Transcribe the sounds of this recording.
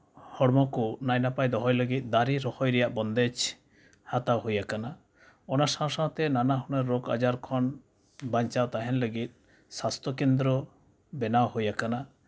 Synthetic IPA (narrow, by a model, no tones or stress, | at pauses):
hɔɽmɔkunajnapajd̪ɔɦɔjləɡit̪̚ˀd̪aɾiɾɔhɔjɾɛjaʔbɔnd̪ɛt͡ʃ | hat̪awɦojakana | ɔnasãwsãwt̪ɛnanaɦunɛɾːɔka̰d͡ʒaɾkʰɔn | baɲt͡ʃawt̪aɦɛnləɡit̪̚ | sast̪ʰɔkend̪ɾɔ | bɛnawhojakana